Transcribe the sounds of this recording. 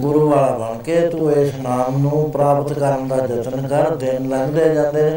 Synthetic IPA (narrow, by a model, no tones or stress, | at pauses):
ɡʊɾuːaːlbəɳkeːt̪ueːsnaːmnũːpɾaːpət̪kəɾənd̪aːd͡ʒət̪ənkəɾd̪ɪnləɡd̪eːd͡ʒãːnd̪eː